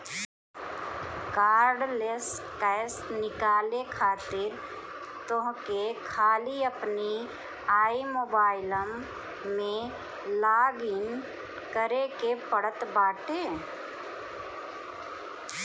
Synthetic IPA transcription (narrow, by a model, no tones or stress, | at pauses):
kaːɾɖleskəsnɪkaːlekʰaːt̪ɪɾ | t̪oɦkekʰaːliəpni | aːimoːbaːɪləmː | ẽ | laːɡɪn | kəɾekepəɽət̪baːʈeː